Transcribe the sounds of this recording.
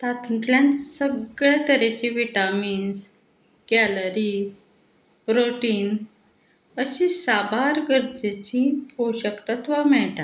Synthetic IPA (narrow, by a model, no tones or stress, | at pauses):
t̪at̪əɳʈ̪ljãnsəɡɭjat̪əɾet͡ɕiʋiʈamiːns | ɡ̥æləɾi | pɾoʈiːn | əɕisabaɾɡəɾd͡ʑet͡ɕioɕəkt̪at̪ʋamɛɭʈ̪a